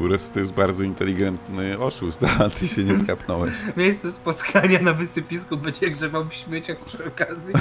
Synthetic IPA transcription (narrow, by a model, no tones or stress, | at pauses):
uɾɛst̪ɔjɛst̪̚baɾd̪zɔint̪ɛlʲiɡɛnt̪nɨɔʂust̪t̪aat̪ɘɕɛɲɛskapnɔwɛɕmʲjejst̪sɛspɔt̪kʰaɲanavɘsɨpʲiskubɛd͡ʑɛɡʐɛbawpɕmʲjet͡ɕakɛɔkazʲji